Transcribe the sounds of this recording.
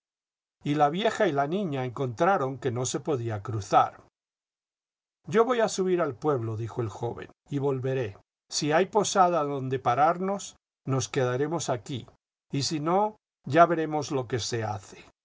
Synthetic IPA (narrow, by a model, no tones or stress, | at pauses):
ilaβje̞xailanĩɲaeŋko̞nt̪ɾaɾo̞ŋke̞no̞se̞po̞ðiakɾuθa̰ɾ | ɟ͡ʝo̞βo̞jasuβiɾalpwe̞βlo̞ðixo̞e̞lxo̞βḛn | iβo̞lβe̞ɾe̞ | siajpo̞saðaðo̞nd̪e̞paɾaɾno̞s | no̞ske̞ðaɾe̞mo̞saki | isino̞ | ʝaβe̞ɾe̞mo̞zlo̞ke̞se̞a̰θe̥